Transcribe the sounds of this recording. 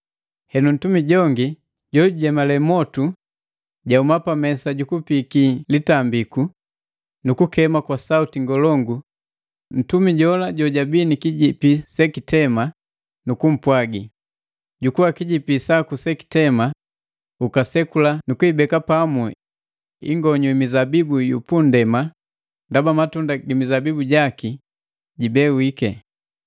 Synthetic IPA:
hɛnun̩tumiɟɔŋɡi | ɟɔɟuɟɛmalɛmɔtu | ɟaumapamɛsaɟukupikilitambiku | nukukɛmakwasautiŋɡɔlɔŋɡu | n̩tumiɟɔlaɟɔɟabinikiɟipisɛkitɛma | nukum̩pwaɡi | ɟukuwakiɟipisakusɛki̥tɛma | ukasɛkulanukuibɛkapamu | ḭŋɡɔɲɔimizabibujṵpundɛma | ndabamatundaɡimizabibuɟaki | ɟibɛwikɛ

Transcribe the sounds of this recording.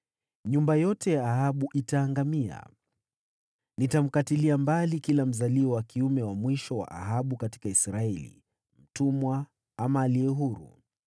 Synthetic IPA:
ɲumbajɔtɛjaːɦaɓuʔitaːŋɡamia̰ | nitam̩katiliambalikilam̩zaliɔwakʰiumɛwamwiʃɔwa̰ʔaɦaɓukati̥kaisɾaɛlḭ | m̩tumwa | amaːliɛɦuɾṵ

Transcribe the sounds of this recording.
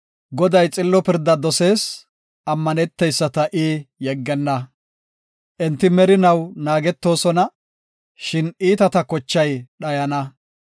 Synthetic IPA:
ɡɔd̪ɐjt͡sʼɪlːɔpɪɾd̪ːɐd̪ɔse̞ːs | ʔɐmːɐnɛt̪ːɛjsːɐt̪ɐʔiːjɛɡːɛnːɐ | ʔɛnt̪ːɪmɛɾɪnɐwnaːɡɛt̪ːo̞ːsɔnɐ | ʃɪniːt̪ɐt̪ɐkɔt͡ʃːɐjɗɐjɐnɐ

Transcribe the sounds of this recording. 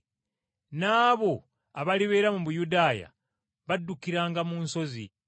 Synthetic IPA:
naːβo̞ | aβaliβe̞ːɾamuβujudaːja̰ | βadːukiɾaːŋɡamuːnso̞zḭ

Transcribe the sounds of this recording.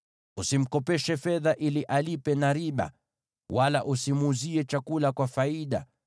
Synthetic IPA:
usim̩kɔpɛʃɛfɛðaʔiliʔalipɛnaɾiɓa̰ | walaʔusimːziɛt͡ʃakulakwafaiɗa̰

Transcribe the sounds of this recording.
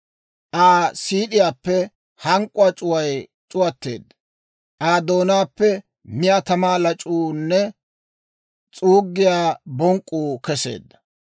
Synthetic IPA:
ʔaːsiːɗɪjaːpːɛ | hɐŋkʼʊat͡ʃʼʊwɐj | t͡ʃʼʊwɐt̪ːeːd̪ːɐ | ʔaːd̪o̞ːnaːpːɛ | mɪjat̪ɐmaːlɐt͡ʃʼuːnːɛ | t͡sʼuːɡːɪjaːbɔŋkʼːuːkɛse̞̰ːd̪ːɐ̥

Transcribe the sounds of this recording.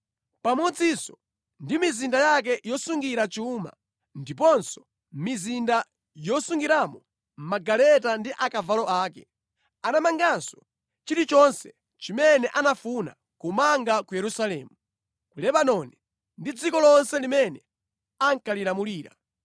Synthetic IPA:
pamɔd͡zisɔ | ndimizindajak̬ɛjɔsuŋɡiɾat͡ʃuma̰ | ndip̬ɔnsɔ̥ | mizinda | jɔsuŋɡiɾamɔ | m̩maɡalɛtandiʔakavalɔaːkɛ | anamaŋɡansɔ̥ | t͡ʃiɾit͡ʃɔnsɛ | t͡ʃimɛnɛʔanafuna̰ | kumaŋɡakujɛɾusalɛ̰ːmu | kulɛɓanɔni | ndid͡zikɔlɔnsɛlimɛnɛ | aŋkalilamuliːɾa̰

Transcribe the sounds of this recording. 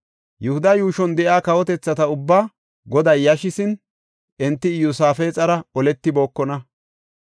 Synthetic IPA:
jɛhʊd̪ɐjuːʃɔnd̪ɛʔaːkɐwɔt̪ɛt͡sːɐt̪ɐʊbːaː | ɡɔd̪ɐjːɐʃɪsɪn | ʔɛnt̪ːɪjusaːfeːt͡sʼɐɾɐɔlɛt̪ːɪboːkːɔnɐ

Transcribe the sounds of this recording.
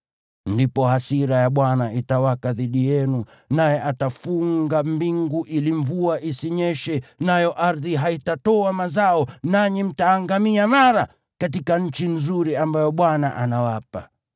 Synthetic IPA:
ndipɔhasiɾajaɓwanaitawakaðiɗijɛnu | najɛʔatafuŋɡambiŋɡuʔiliɱvuaʔisiɲɛʃɛnajɔʔaɾðiɦaitatɔamazaɔnaɲim̩taːŋɡamiamaɾa | kat̬ikaɲ̩t͡ʃinzuɾiambajɔɓwanaʔanawapa

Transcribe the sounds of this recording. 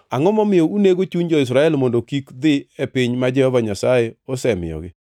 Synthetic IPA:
aŋɔmɔmɪjɔuneɡot͡ʃuɲd͡ʒɔɪs̬ɾaɛlmɔndokikd̪ɪepɪɲmad͡ʒɛhɔvaɲasajeosɛmɪ̰jɔ̰ɡɪ

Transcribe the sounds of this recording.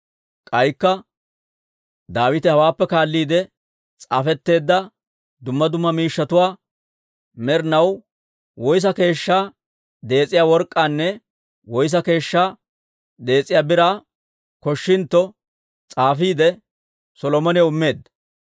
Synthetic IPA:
kʼɐjkːɐ | d̪aːwɪt̪ɛhɐwaːpːɛkaːlːiːd̪ɛ | t͡sʼa̰ːfɛt̪ːe̞ːd̪ːɐ | d̪ʊmːɐd̪ʊmːɐmiːʃːɐt̪ʊwaː | mɛɾnɐw | wɔjs̬ɐke̞ːʃːaː | d̪e̞ːt͡sʼːɪjaːwɔɾkʼːaːnːɛ | wɔjs̬ɐke̞ːʃːaː | d̪e̞ːt͡sʼːɪjaːbɪɾaː | kɔʃːɪnt̪ːɔ | t͡sʼaːfiːd̪ɛ | sɔlɔmɔnɛʊmːe̞ːd̪ɐ

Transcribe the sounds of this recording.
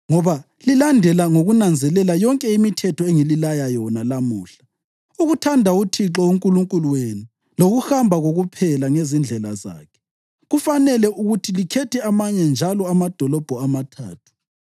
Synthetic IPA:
ŋɔβa | lilandʱɛlaŋoɣunand͡zʱɛlɛlajɔŋkʼɛimitʰɛtʰɔeŋililajajɔnalamuːɬḁ | uɣutʰandʱautʰiǁɔuŋkʼuluŋkʼuluweni | loɣuxambʱaɣoɣupʰɛlaŋezind͡ɮʱɛla̰za̰ːkʰɛ̥ | ɣufanɛlɛʔuɣutʰilikʰɛtʰɛamaɲɛnd͡ʒʱalɔamad̥ʱɔlɔb̥ʱɔamatʰa̰ːtʰu̥

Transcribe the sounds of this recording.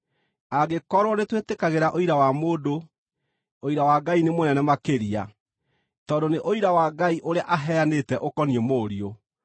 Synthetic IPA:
aɡekɔɾwɔnetwetekaɣeɾaʔoiɾawamoːdo | oiɾawaɡainemonɛnɛmakeɾia̰ | tɔdoneʔoiɾawaɡaiʔoɾeaʔaɦɛanetɛʔokɔniemoːɾio

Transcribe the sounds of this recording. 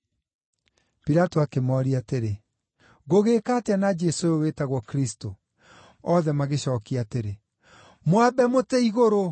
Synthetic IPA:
piɾatoakemɔːɾiateɾe | ɣoɣeːkaːteanad͡ʒɛsooweːtaɣwɔkɾisto | ɔðɛmaɣeɕɔːkiateɾe | mwabɛmotɛiɣoɾo

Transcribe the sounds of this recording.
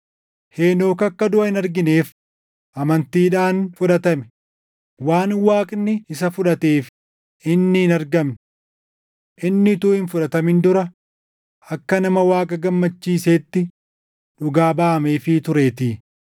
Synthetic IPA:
heːno̞ːkɐkːɐd̪ʊʔɐhɪnɐɾɡɪne̞ːf | ʔɐmɐnt̪iːᶑaːnfʊᶑɐt̪ɐmɛ̥ | waːnwaːkʼnːɪɪsɐfʊᶑɐt̪e̞ːf | ʔɪnːɪhɪnɐɾɡɐm | ʔɪnːɪt̪uːhɪnfʊᶑɐt̪ɐmɪnd̪ʊɾɐ | ɐkːɐnɐmɐwaːkʼɐɡɐmːɐt͡ʃːiːseːt̪ːɪ | ᶑʊɡaːbaːɐmeːfɪt̪ʊɾe̞ːt̪ɪː

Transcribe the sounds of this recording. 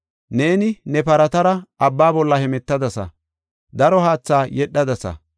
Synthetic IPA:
ne̞ːnɪnɛpɐɾɐt̪ɐɾɐɐbːaːbɔlːɐhɛmɛt̪ːɐd̪ɐsɐ̰ | d̪ɐɾɔhaːt͡sːaːjɛɗːɐd̪ɐsɐ̰

